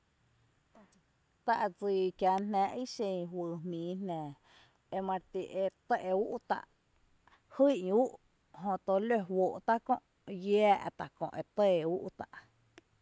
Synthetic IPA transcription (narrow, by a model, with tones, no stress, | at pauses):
t̪a˧ʔd͡ziː˧˨kja˧˨nnɛ̃˨˦ʔi˦ʃẽ˧˨ɦwɨː˨mmĩː˨˦nnɛ̃˨ | e˧mã˧t̪i˨ʔe˧t̪ə˦ʔe˧u˦ʔt̪a̰˧˨ʔ | hu˦˨ʔɲ˧u˦ʔ | ɦõ˧t̪o˧lø˧˨woː˨ʔt̪a˦kõ˦˧ʔ | jɛː˦ʔt̪a˨ʔkõ̰˧ʔe˧t̪e˦˧˨u˦ʔt̪a̰˧ʔ